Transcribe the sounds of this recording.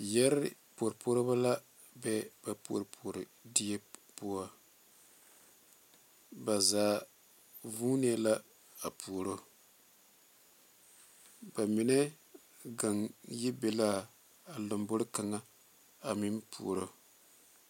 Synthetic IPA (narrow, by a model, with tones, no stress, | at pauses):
jɛ˦ɾɪ˨po˨ɾpo˦ɾba˦la˦ | bɛ˦ba˨po̰˨ɾpʰo˨ɾɪ˨di˦ɛ˦po˦a˨ | ba˨zaː˨˦ | vuː˦ni˦a˦la˦ | a˨pʰu˨o˨ɾo˦ | ba˨mi˨nɛ˦ | ɡa˨ŋji˦bɛ˨la˦ | a˨lo˨mbo˦ɾɪ˦ka˨ŋa˦ | a˨mi˦npʰṵ˨o˨ɾo˦